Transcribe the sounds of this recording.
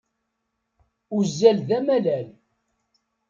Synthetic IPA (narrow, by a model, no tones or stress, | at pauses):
uzːælðæmælæl